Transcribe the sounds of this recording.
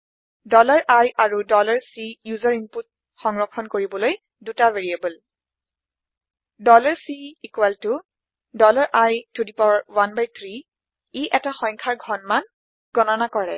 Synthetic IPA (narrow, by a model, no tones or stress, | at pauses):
dɔlɔɹʔajʔaɹudɔlɔɹsijuzɔɹinput̚ | xɔŋɹɔkʰɔnkoɹibɔloj | dutaveɹiebul | dɔlɔɹsiikwɛltʊ | dɔlɔɹʔajtudipɔɹwanbajt̪ʰɹi | iʔɛtaxɔŋkʰaɹɡʱɔnman | ɡ̥ɔnɔnakɔɹɛ